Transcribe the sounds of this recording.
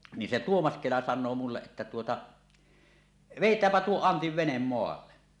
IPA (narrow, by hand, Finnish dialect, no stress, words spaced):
ni se tuomɑs kelɑ sɑnˑoː mulːeʔ ʔetːæ tuotɑ ʋeˑitˑæːmpæ tuo ɑntiʋ ʋenem moɑlːɑ